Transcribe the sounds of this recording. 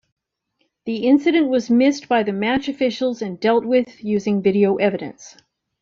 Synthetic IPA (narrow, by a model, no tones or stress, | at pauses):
ðiʔɪ̃nsɨɾɨ̃nʔwʌzmɪstb̥aɪðɨmæt͡ʃɨfɪʃl̩ˠzɨ̃ndɛlˠt̚wɪðjʉzɪ̃ŋvɪɾioʊʔɛvɨɾɨ̰̃ns